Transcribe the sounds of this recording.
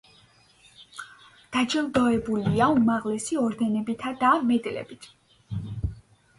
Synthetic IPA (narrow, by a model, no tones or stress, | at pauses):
d̪̥ad͡ʒɛlˠd̪ɔɛbuliaumaʁlɛsiɔɾd̪ɛnɛbit̪ʰad̪amɛd̪lɛ̰bit̪ʰ